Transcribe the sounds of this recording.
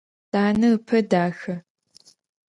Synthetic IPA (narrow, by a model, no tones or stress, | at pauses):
d̥aːnɨɨpʰɐdaːxɐ